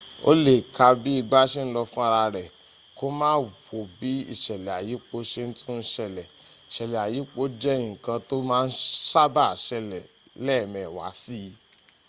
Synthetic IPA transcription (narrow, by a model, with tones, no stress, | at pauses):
o̰˦le˨kʰa˧bi˦i˦˧ɡ͡ba˦ʃe˦n̩˦lɔ˧fũ˦a˧ɾa˧ɾɛ˨ | ko˦mãː˦wo˨bi˨˦ḭ˦˨ʃɛ˨lɛ˨a˨ji˨˦k͡po˨˦ʃe˦n̩˦tũ˦˧n̩˦ʃɛ˧lɛ˨ | i˨ʃɛ˨lɛ˨a˨ji˨˦k͡po˦d͡ʒɛ˦ĩ˨kã˧to˦mãː˦˧n̩˦ʃa˦ba˦˨ʃɛ˧lɛ˨ | lɛ˦˨mɛ̃˨wa̰˨˦si˦